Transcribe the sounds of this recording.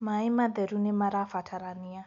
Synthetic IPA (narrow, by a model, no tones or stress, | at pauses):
maimad̪ɛɾunɛmaɾafatʰaɾania